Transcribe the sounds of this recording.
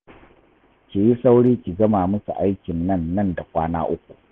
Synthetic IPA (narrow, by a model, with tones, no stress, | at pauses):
kʲi˨ji˦sa˦wɽiː˦kʲi˨ɡɐ˦maː˨mʊ˦sṵ˨ʔa˦jkʲɪ˨nːɐ˦nːɐ˦˨nda˨kʷaː˦na̰ː˦ʔʊ˦kʷu˨ʔ